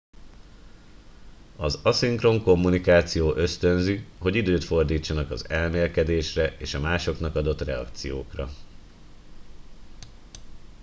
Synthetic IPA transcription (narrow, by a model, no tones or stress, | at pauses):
ɒzɒsiŋkro̞ŋko̞mːunikaːt̪sijoːʔø̞st̪ø̞nziɦo̞ɟid̪øːt̪fo̞rd̪iːt͡ʃːɒnɒkɒ̰zɛlmeːlkɛd̪eːʃrɛʔeːʃɒmaːʃo̞knɒkɒd̪o̞t̪rɛɒ̰kt̪sijoːkrɒ